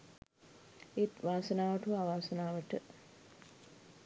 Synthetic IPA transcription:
et̪ʋaːsənaːʋəʈuʋaːʋaːsɐnaːʋəʈə

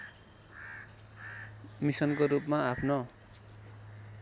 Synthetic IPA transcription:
misʌnkoɾupmaapʰno

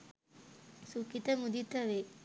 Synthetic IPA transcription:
sukit̪əmud̪it̪əʋe

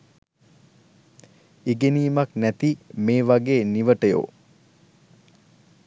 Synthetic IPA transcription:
iɡeniːmaknæt̪imeːʋaɡeːniʋəʈəjo̰ː

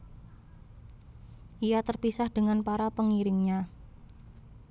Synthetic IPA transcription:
ʔijat̪ərpisahd̥əŋanpaɾapəŋiɾɪŋɲa

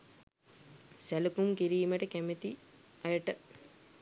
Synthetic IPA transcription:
sælukumkiɾiːməʈəkæmet̪iɐjəʈə

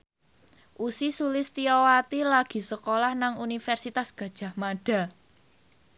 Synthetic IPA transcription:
ʔusisulɪst̪iɔwat̪ilaɡ̥i̤səkolahnaŋunifɛrsit̪asɡ̥ä̤d̥ʒ̥ä̤hmaɖ̥a̤

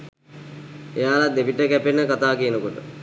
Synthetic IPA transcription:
ejaːlad̪eʋiʈəkæpenːəkat̪aːkijənəkoʈə

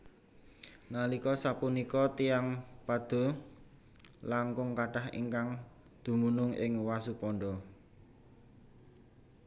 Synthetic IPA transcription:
nalikɔsapunikɔt̪iaŋpad̪̥o̤ | laŋkʊŋkaʈahḭŋkaŋ | d̪̥ṳmunʊŋɪŋwasupɔɳɖɔ

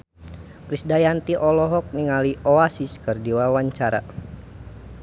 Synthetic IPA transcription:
kɾisdajant̪iʔɔlɔɦɔk̚niŋaliʔɔasiskɨrdiwawaɲt͡ʃaɾa̰

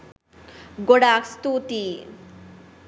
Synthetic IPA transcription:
ɡoɽakst̪ut̪i

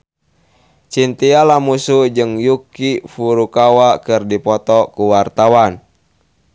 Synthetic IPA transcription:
t͡ʃint̪ialamusud͡ʒɨŋjukifuɾukawakɨrdipɔt̪ɔkuwart̪awan

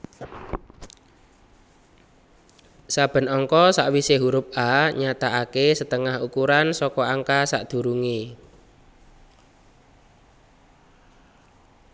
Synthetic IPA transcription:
sab̥ə̤nɔŋkɔsa̰ʔwiseɦuɾʊp̚aɲat̪aakesət̪əŋahukuɾansɔkɔʔaŋkasa̰ʔd̪̥ṳɾuŋi

